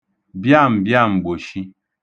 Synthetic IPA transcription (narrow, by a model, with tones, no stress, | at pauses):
bja˦˨m̩˨bja˦˨m̩˨bo˨ʃi˦